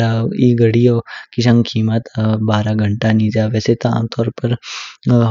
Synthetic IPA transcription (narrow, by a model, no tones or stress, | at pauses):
ɾaiɡəɽijokiʃãŋkʰimət̪baːɾaɡʱəɳʈanid͡ʒaʋeset̪oa̰mt̪ʰɔːɾpəɾ